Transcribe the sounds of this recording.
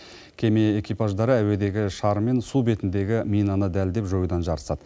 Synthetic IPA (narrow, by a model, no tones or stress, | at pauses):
kʲʰe̞me̞ekʲijpɑʒd̪ɑɾəæwe̞d̪e̞ɡʲɪʃɑɾme̞nsube̞t̪ɪnd̪e̞ɡʲɪmijnɑnəd̪æld̪e̞pʒo̞jəd̪ɑnʒɑɾə̥sɑd̪ə